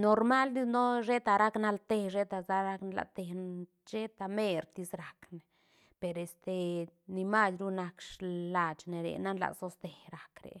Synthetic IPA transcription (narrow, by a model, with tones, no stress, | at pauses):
no˨ɾma˦ld̪i˦no˦ʃe˦t̪a˧˨ɾa˦kna˧lt̪e˧ʐe˦t̪a˨za˧ɾa˦knla̰˨t̪e˧n | ʃe˦t̪a˧me˦˧ɾt̪i˧sɾa˨kne˨ | pe˨ɾe˨st̪e˨ni˧ma˦sɾu˦na˧kʂla˧t͡ʃne˨ɾḛ˨na˦nla̰˨so˧˦st̪e˨ɾa˨kɾḛ˨